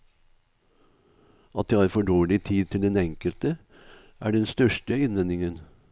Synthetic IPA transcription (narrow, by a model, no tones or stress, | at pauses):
ʔɑt̪̚d̪eːhɑːɾfɔɖoːɭɪt̪ʰiːd̪̚t̪ʰɪld̪ɛnɛŋkəlt̪ə | ʔæ̰ːɖɛnst̪œʂʈəɪnʋɛnɪŋən